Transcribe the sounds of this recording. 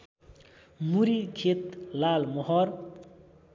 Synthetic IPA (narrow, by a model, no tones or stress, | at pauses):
muɾikʰet̪lalmʌɦʌr